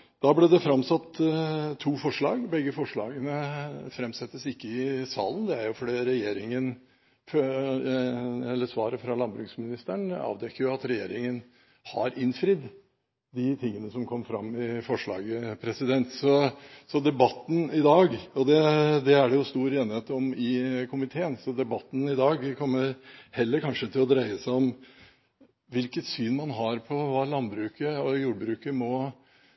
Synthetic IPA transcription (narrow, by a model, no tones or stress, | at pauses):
d̪̥ɑːblɛd̪ɛfɾɑmsɑt̪ːt̪ʰːuːfɔʂɭɑːɡbɛɡəfɔʂɭɑ̰ːɡənəfɾɛmsɛt̪ːəsɪkːəɪsɑ̰ːlən̩d̪ɛæɾjʊfɔɖiːɾɛjeːɾɪŋən | f | ɛlːəsʋɑːɾəfɾɑlɑnbɾʉksmɪnɪst̪əɳɑ̰ːʋd̪ɛkːəɾjʊɑt̪ɾɛjeːɾɪŋən | hɑ̰ɾɪnfɾɪd̪ | d̪ɪt̪ʰɪŋːənəsɔmkʰɔmːfɾɑ̰mːɪfɔʂɭɑ̰ːɡəpʰɾɛsɪd̪ɛnt̪sɔsɔd̪ɛbɑt̪ːn̩ɪd̪ɑːɡɔd̪ɛd̪ɛæɖɛjʊst̪uːɾeːnɪheːt̪ɔmɪkʰʊmɪt̪ʰeːənsɔd̪ɛbɑt̪ːn̩ɪd̪ɑːɡkʰɔmːəɾhɛlːəɾkɑnʂət̪ʰɪlɔd̪ɾæɪəsæɪɔm | ʋɪlkət̪syːnmɑnɦɑɾpʰɔʋɑːlɑnbɾʉːkəɔjuːɖbɾʉːkəmɔ